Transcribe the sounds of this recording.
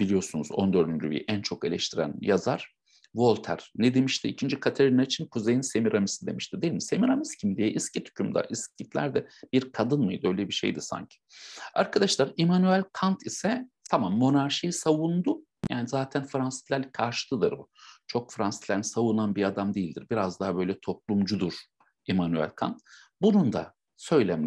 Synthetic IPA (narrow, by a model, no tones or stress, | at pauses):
b̥ilʲijo̞sunuzo̞̰nd̪ø̞ɾd̪ynd͡ʒybḭʔænt͡ʃʰo̞ke̞lʲɛʃt̪ʰiɾæ̰njazaɾ̥ | vo̞lˠʲt̪ʰæ̰ɾ̥nɛd̪e̞miʃt̪ʰiicʰind͡ʒikʰat̪ʰeɾinaɾt͡ʃʰinkʰuze̞jinse̞miɾamisid̪e̞miʃt̪ʰid̪eilʲmise̞miɾamiscʰimd̪ijɛʔiscit̪ʰy̥cʰymd̪a̰ʔiscit̪lʲæ̰ɾd̪ɛb̥iɾkʰad̪ɯnmɯjd̪ø̞jlʲɛbiʃejd̪isa̰ɲcʰi̥aɾkʰad̪aʃlˠaɾemanyælʲkʰant̪ʰisɛt̪ʰamamːo̞naɾʃijisavund̪ʊ | ja̰ːnizaːt̪ʰænfɾansi̥t̪lʲæɾlʲkʰaɾʃɯ̥t̪ˠɯd̪ɯɾbut͡ʃʰo̞kfɾansi̥t̪lʲænisavunanbiad̪amd̪eilʲd̪iɾbiɾazd̪aɦabø̞jlʲɛt̪ʰo̞p̚lˠumd͡ʒud̪uɾ̥ | emanyæ̰lʲkʰa̰nt̪ | bunund̪a̰ | sø̞jlʲæmʲ